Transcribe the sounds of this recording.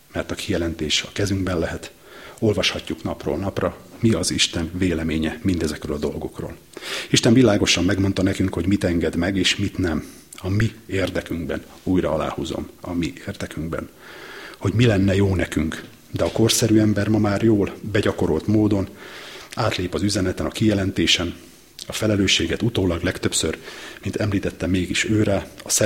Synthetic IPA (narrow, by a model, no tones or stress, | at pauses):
mɛrt̪ɒkʰijɛlɛnt̪eːʃɒkɛzyŋɡbɛnlɛɦɛt̪ | o̞lvɒʃhɒcːuknɒpro̰ːlnɒprɒmiɒziʃt̪ɛnveːlɛmeːɲɛmind̪ɛzɛkrøːlɒd̪o̞lɡo̞kro̰ːl | iʃt̪ɛɱvilaːɡo̞ʃɒmːɛɡmo̞nt̪ɒnɛkyŋkho̞ɟmit̪ɛŋɡɛd̪mɛɡeːʃmit̪nɛm | ɒmieːrd̪ɛkyŋɡbɛn | uːjrɒɒla̰ːhuzo̞̰mɒmieːrd̪ɛkyŋɡbɛ̰nho̞ɟmilɛnːɛjoːnɛkyŋk | d̪ɛɒko̞rsɛɾyːɛmbɛrmɒmaːrjoːlbɛɟɒko̞ɾo̞lt̪moːd̪o̞n | aːt̪leːpɒzyzɛnɛt̪ɛnɒkijɛlɛnt̪eːʃɛn | ɒfɛlɛløːʃːeːɡɛt̪ut̪oːlɒɡlɛkt̪ø̞psø̰rmint̪ʰɛmliːt̪ɛt̪ːɛmeːɡiʃøːɾaɒsɛ